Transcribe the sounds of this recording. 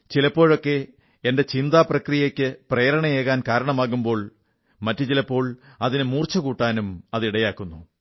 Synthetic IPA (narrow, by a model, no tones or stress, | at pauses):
t͡ɕilɐpːo̞ːɻo̞kːe̞ | ende̞t͡ɕind̪aːprɐkrijekʲːɨprejːɾɐɳɐjeːɣaːnkaːɾɐɳɐmaːɣumbo̞ːɭ | mɐtːut͡ɕilɐpːo̞ːɭɐðinɨmuːrt͡ɕɐkuːʈːaːnumɐðiɽɐjaːkːunːu